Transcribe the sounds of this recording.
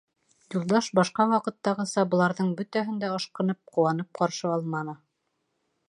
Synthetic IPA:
julˠd̪ɑʃbɑʃqɑwɑqɤ̆t̪ːɑʁɤ̆sɑbŏlˠɑɾðɤɴbɵt̪æɦɘ̆nd̪æɤʃqɤ̆nɤp̚qŏwɑnɤp̚qɑɾʃɤɑlˠmɑnɤ

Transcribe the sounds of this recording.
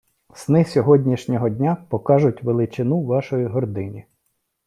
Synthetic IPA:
snɪsʲɔɦɔdʲnʲiʃnʲɔɦɔdʲnʲapɔkɑʒʊtʲʋelˠɪt͡ʃɪnuʋɑʃɔjiɦɔrd̪ɪnʲi

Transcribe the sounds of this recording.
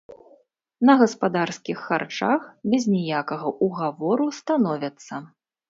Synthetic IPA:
nɐɣɐspad̪arskʲixːart͡ʂaxbʲɛzʲnʲɛjakɐɣɐʔuɣavɔɾust̪anɔvʲɐt̪sːɐ

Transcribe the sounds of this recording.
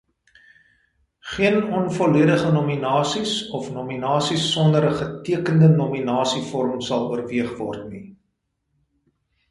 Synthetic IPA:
χiənɔnfɔliədəχənɔminɑːsisɔfnɔminɑːsisːɔndəɾəχətiəkəndənɔminɑːsifɔɾmsɐlˠuərviəχvɔ̰rtni

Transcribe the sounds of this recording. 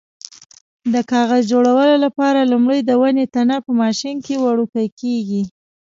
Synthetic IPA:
d̪əkɑɣazd͡ʒoɽawəlolapɑɾalumɽəjd̪əwanet̪anapəmɑʃinkewaɽukəjkeɡi

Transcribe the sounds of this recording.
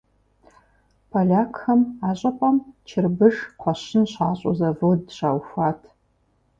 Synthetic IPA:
pʰalʲaːkʰxɐmaːɕʼɐqʷʼɐmt͡ʃʰɪrbɨʒqʷɔɕɪnɕaːɕʼo̰zɐvowɕaːwxʷaːtʰ

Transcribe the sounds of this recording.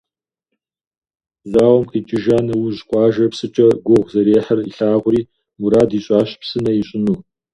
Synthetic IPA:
zaːwɔmqiːt͡ʃʼɪʒaːnɐwuʑqʷʼɑːʒɐpsɨt͡ʃʼɐɡʷʊʁʷzɐɾeːħɐriɬaːʁʷʊriː | muɾaːdiːɕʼaːɕpsɨnɐjiɕʼɪnuː

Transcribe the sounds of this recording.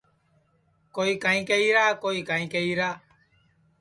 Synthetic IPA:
koːiːkaːĩːkeiːɾaːkoːiːkaːĩːkəiːɾaː

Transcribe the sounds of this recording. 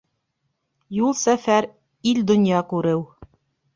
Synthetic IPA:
julˠsæfæɾ | ild̪ŏnjɑkʉɾɘw

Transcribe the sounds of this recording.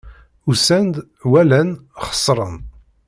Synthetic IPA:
usænd̪ | wælænχə̥sˤːɾˤən

